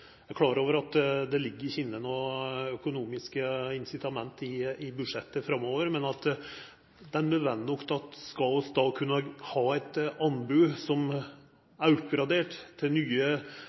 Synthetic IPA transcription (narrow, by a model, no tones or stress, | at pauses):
ækʰlɑːɾoːʋəɾɑt̪d̪ɛlɪɡːəɾɪɾçɪnːənɔœkʊnuːmɪskəɪnsɪt̪ʰɑmɛnt̪ɪɪbʉd̪ʂɛt̪ːəfɾɑmːoːʋəɾmɛnɑt̪ | d̪ɛænmød̪ʋɛnnɔkt̪ɑt̪skɑlsd̪ɑːkʰʉnːəhɑːæt̪ɑnbʉːsɔm | æɾʉpɡɾɑd̪eːʈt̪ʰːɪlnyːə